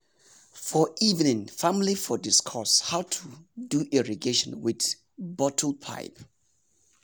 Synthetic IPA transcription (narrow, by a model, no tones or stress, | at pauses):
fɔʔivnɪ̃ŋfãmlifɔdiskʰɔshaʊtʰuduʔiɹiɡeʃɔ̰̃nwɪθ | bɔtʰlpʰa̰ɪp